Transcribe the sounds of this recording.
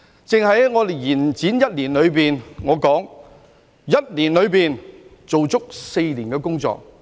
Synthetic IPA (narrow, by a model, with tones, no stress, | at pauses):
t͡sɪ˨ŋɦɐ˨˥jŋɔː˨˧d̪e˨jjiː˨˩nt͡siː˨˥njɐ˥t̚liː˨˩nlɵ˨˧ɥpiː˨nŋɔː˨˧kɔː˨˥ŋ | jɐ˥t̚liː˨˩nlɵ˨˧ɥpiː˨n | t͡so˨wt͡sʊ˥k̚se˧jliː˨˩nkɛː˧kʊ˥ŋt͡sɔ̰ː˨k̚